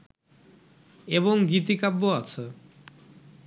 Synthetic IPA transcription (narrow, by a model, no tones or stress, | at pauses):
eβoŋɡit̪ikabːoat͡ɕʰe